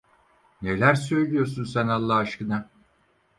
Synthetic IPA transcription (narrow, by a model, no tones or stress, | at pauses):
nelʲæɾsø̞jlʲijo̞ɾsunsænalˠːaaʃkɯna